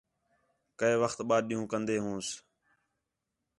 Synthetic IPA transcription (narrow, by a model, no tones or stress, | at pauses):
kəeːʋəxt̪ɓaːɗĩːũːkənd̪eːɦũːs